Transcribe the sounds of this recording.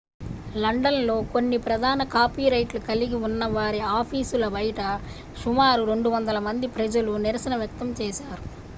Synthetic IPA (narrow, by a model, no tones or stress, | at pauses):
lɐɳɖɐnlo̞ːko̞nːipɾɐd̪ʱaːnɐkaːpiːɾɐjʈlukɐliɡiunːɐʋaːɾiaːpʰiːsulɐbɐjɐʈɐ | ʃumaːɾuɾe̞ɳɖuʋɐnd̪ɐlɐmɐnd̪ipɾɐd͡ʒɐluniɾɐsɐnɐʋjɐk̚t̪ɐmt͡ʃɛːʃaːɾu